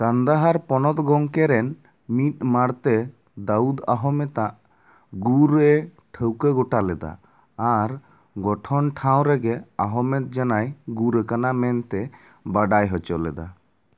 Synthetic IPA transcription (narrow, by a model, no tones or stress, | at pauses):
kand̪aɦaɾpɔnɔt̪ɡɔŋkɛɾɛn | mit̪̚maɽt̪ɛ | d̪aud̪aɦɔmɛt̪aʔ | ɡuɾɛ | ʈʰəwkeɡɔʈalɛd̪a̰ː | ɾ | ɡɔʈʰɔnʈʰaw̃ɾɛɡɛaɦɔmɛt̪̚d͡ʒanajɡuɾekanamɛnt̪ɛ | baɖajɦɔt͡ʃɔlɛd̪a̰